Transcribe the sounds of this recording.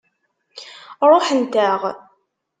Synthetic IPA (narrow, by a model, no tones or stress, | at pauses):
ɾˤoħənt̪æʁ